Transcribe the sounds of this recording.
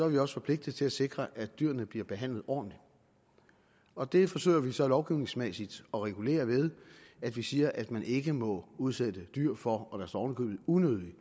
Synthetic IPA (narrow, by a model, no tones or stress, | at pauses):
sɒ̽æɐʋiɒ̽sə̥fɒ̽pʰle̝ɡ̥̚d̥ð̩ˠt͡sʰe̝læse̝ɡ̥ʁɐʔæd̥d̥yɐ̰nəb̥liɐb̥e̝ɦæn̰lð̞̩ˠɒ̰ːd̥n̩li | ɒ̽d̥e̝fɒ̽sø̰ɪɐʋisɒ̽lɒʊɡ̥iʊne̝ŋsmesid̥ɒ̽ʁɛɡ̥ule̝̰ːɐʋeð̞ˠæd̥ʋisiːɐʔæd̥mænʔe̝ɡ̥əmɒ̽uð̞ˠsed̥əd̥yɐ̰fɒ̽ɒ̽d̥æɐsd̥ɒɒʊnəkʰø̰ːb̥ð̩ˠunøðˠli